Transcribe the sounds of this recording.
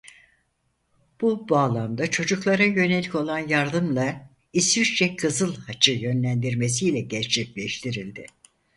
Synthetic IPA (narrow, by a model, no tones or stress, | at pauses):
b̥ubaːlˠamd̪at͡ʃʰo̞d͡ʒuklˠaɾajø̞ne̞lʲico̞lˠanjaɾd̪ɯmlˠa | isyɾt͡ʃɛkʰɯzɯlˠhat͡ʃʰɯjø̞nlʲænd̪iɾme̞s̬ijlʲɛɟɛɾt͡ʃʰɛclʲɛʃt̪ʰiɾilʲd̪ɪ